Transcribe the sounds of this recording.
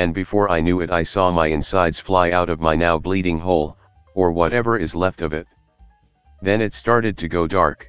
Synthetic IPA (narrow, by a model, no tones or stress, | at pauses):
ɨ̃nbɨfɔɹaɪnjʉɨɾaɪsɔmaɪɨ̃nsaɪdz̥flaɪaʊɾʌvmaɪnaʊbliɾɪ̃ŋɦoʊlˠ | ə˞wʌɾɛvə˞ɨzlɛftʌvɪt̪̚ | ðɨ̃nɨtstɑɹɾɨd̚tʰɨɡoʊdɑ̰ɹk